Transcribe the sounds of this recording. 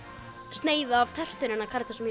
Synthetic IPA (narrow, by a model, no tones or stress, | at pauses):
st̪neːjðaːv̥t̪ʰɛr̥t̪ʏɾɪnːakʰaɾt̪ʰasm